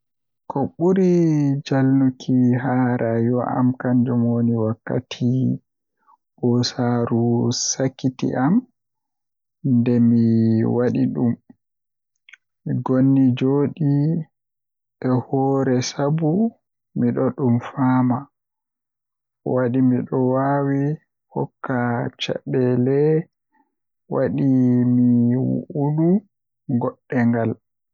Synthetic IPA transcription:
kɔɓuɾid͡ʒalnukʰiɦaɾʔajɔʔa̰mkaɲd͡ʒɔmoniwakːa̰tʰi | ɓɔsaɾusakːitḭʔam | ndɛmiwaɗiɗum | miɡonːid͡ʒoːɗi | ʔɛhɔːɾɛsabu | miɗɔɗumfaːma | waɗimiɗɔwawi | hɔ̰kːat͡ʃa̰ɓɛlɛ | waɗimiwṵʔuɗu | ɡɔɗːɛŋɡal

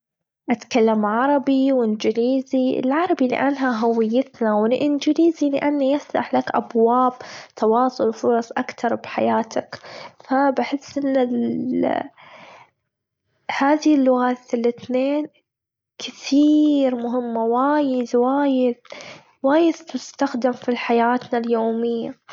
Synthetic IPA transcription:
ʔat̪kalːamʕɑɾˤɑbiwɪnd͡ʒɪliːziɪ̰lʕɑɾˤɑbilɪ̰ʔanːɦaɦawɪjːat̪nawɪlʔɪnd͡ʒɪliːzilɪʔanːajast̪a̰ħlakʔa̰bwaːbt̪ʰɑwɑːsˤʊlfʊɾˤɑsˤʔakt̪ɑɾˤbħajaːt̪ʰakfabɪħɪsːʔɪnːal | haːðilːʊɣaːt̪ɪlːɪt̪neːn | kɪθiːɾmʊɦɪmːawaːjɪd̪waːjɪd̪ | waːjɪd̪t̪ʊst̪axd̪ɪmfilħajaːt̪naljoːmɪjːa

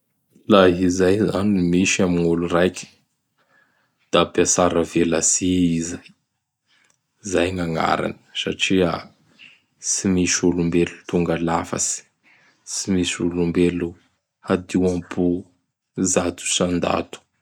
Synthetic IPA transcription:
laɦizajzanimiʃamiŋulurajkʲə̥ | d̪̥apasaɾəvelasiiza | zajŋaŋa̰ɾa̰nə̥saʈ͡ʂia | simiʃulumbelut̪uŋɡalafa̰si̥ | simisulumbelu | had̪iwampʰu | zat̪u̥sand̪a̰t̪u̥

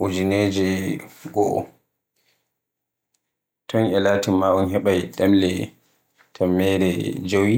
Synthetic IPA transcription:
ʔud͡ʒineːd͡ʒɛɡɔʔɔ̰ | tʰɔnɛlaːtimːaʔɔnɦɛɓajɗamlɛ | tʰamːɛɾɛd͡ʒowi

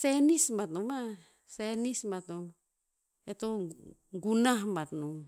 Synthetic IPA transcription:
senismbat̪numa | senismat̪um | et̪oŋɡunaɦmbat̪num

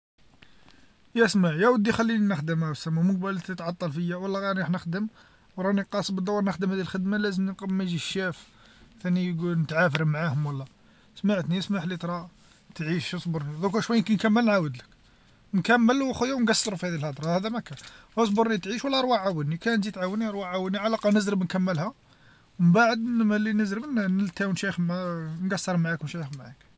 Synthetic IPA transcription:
jæsmaħjæwəd̪ːixælːininəxd̪əmæwəsːæmːaməɡ̚bælt̪it̪ʕɑt̪ˤːɑlfəjːæwəlːæɣiɾnħnəxd̪əm | wɾˤɑniqɑsˤbəd̪ːɑwːɑɾˤnəxd̪əmhæd̪ilxəd̪malæzəmnqbmæʒiʃːæf | θænijɡulnət̪ʕafəɾəmʕahʊmwəlːæ | smaʕət̪nismaħlit̪ɾˤɑ | t̪ʕiʃəsˤbəɾˤnid̪ukæʃwæjːnkænkæmːəlnʕawəd̪lək | nkæmːəlwxujuwnɡɑsˤːəɾufihæd̪ilhɑd̪ˤɾˤɑhæd̪æmækæhəs̬ˤbəɾˤnit̪ʕiʃwəlːæɾˤwaʕawənikænd͡ʒit̪ʕawənːiɾˤwaʕawədniʕalɑqɑnəzɾəbnkæmːəlhæ | məmbaʕəd̪mælːinəzɾəbnnəlt̪æwənʃæjxmanɡɑsːəɾˤmʕaknʃæjxmʕak

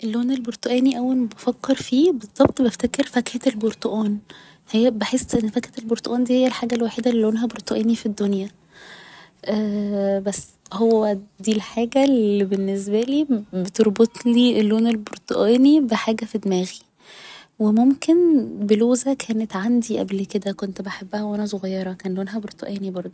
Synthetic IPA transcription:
ʔelːoːnelboɾt̪ˤoʔæːniʔæwːæbɑfækːeɾfiːbezˤːɑbt̪ˤbæft̪ækeɾfækhet̪elboɾt̪ˤoʔuːn | hejːæbeħesːʔenːfækhet̪elboɾt̪ˤoʔuːnd̪iːhejːælħaːɡælwaːħed̪ælːoːnɦæboɾt̪ˤoʔæːnifid̪ːonjæ | ʔæːbæsː | howːæd̪iːlħaːɡælibenːes̬bæliːbet̪oɾbot̪ˤliːʔelːoːnelboɾt̪ˤoʔæːnibeħaːɡæfid̪emæːɣi | wemomkenbeloːzækʰæːnet̪ʕand̪iʔæ̰blked̪ækont̪beħabːæhæwʔænæs̬oɣɑjːɑɾˤɑkæːnlːoːnɦæboɾt̪ˤo̰ʔæːnibɑɾˤd̪ˤo

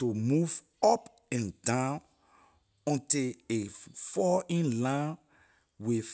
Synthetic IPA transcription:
tomuv | ɔp | ɛ̃ndãn | ɔ̃ntiefɔĩnlãn | we

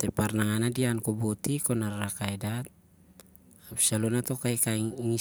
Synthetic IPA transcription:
t̪ɛparnaŋanadiankobot̪ikɔnarːakaidat̪̚ | absalɔnat̪ɔkaikaiŋiŋi

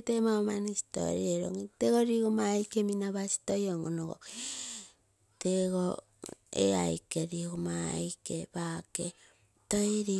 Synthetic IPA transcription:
temaomanisi̥to̰ɾḭeɾo̰ŋiteɡoɾiɡomajkeminaβasi̥tojoŋonoɡo̰ | teɡo | ḛa̰jkeɾiɡoma̰jkebake | tojɾi

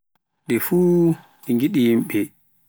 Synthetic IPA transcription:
ɗɛfuː | ɗɛŋɡiɗijimɓɛ

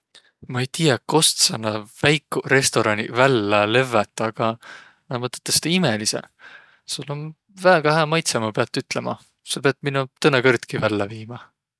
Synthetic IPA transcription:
mɑejt̪ijɑko̞st̪sɑnːɑvæjkːure̞st̪o̞ɾɑnivælːæle̞vet̪ːˑɑɡ̥ɑ | nɑmɤt̪ːˑet̪ːˑest̪ɑimelisḛ | sulːon | væːɡ̥ɑhæːmɑjt̪semɑpeɑt̪ːˑyt̪ˑlemɑ̰ | sɑpeɑt̪minut̪ɤnːekɤrt̪kivælːæviːmɑ

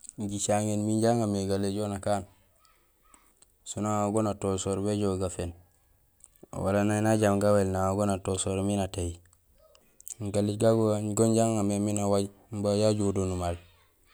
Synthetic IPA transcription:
ɟit͡ʃaŋenminɟaŋameɡaleɟonakaːn | sunaŋaɡonatosoɾbeɟoɡafen | wa̰lananaɟamɡawelnaaɡonatosoɾminateji | ŋɡaleɡaɡoanɡonɟaŋameminawaɟ | mbajaɟudonumal

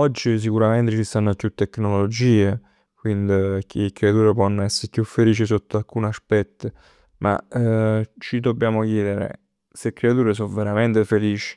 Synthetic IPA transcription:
ɔd͡ʒːis̬ikuɾament̪et͡ʃist̪anːopjut̪ːekːnollod͡ʒiːe | kwind̪ikʰeːkːɾeat̪uːɾep̬wɔnːɛsːeɾpjufːeliːt͡ʃisot̪ːoalkuːnaspɛt̪ːə | mʔa̰ | t͡ʃid̪obːjaːmokjeːd̪eɾḛ | sekːɾeat̪uːɾes̬oveɾament̪efeliːt͡ʃi̥

